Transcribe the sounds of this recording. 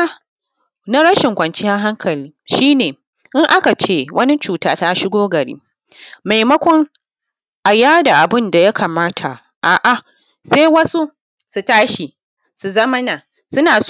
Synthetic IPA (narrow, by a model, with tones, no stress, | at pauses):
na˦ɽɐ˦ʃɪ˨ŋkʷɐ˨nt͡ʃɪ˦ja˦ɦa˦ŋkʰɐ˨liː˦ʃiː˦neː˨ | ʔɪ˦ŋʔa˦ka˨t͡ʃeː˦wʔɐ˦ni˦t͡ʃuː˨taː˦ta˦ʃɪ˦ɡʷoː˦ɡɐ˨ɽḭː˦ | ma˨jmɐ˦kʷɔ˦ŋ | ʔa˨jaː˦da˨ʔa˨bɪ˦nda˨ja˦kʰaː˨maː˦tʰa˨ | ʔaː˨ʔa˨ | se˦wɐ˦su˦ | su˨taː˦ʃi˨ | su˨zɐ˦mɐ˦naː˨ | sʊ˦naː˨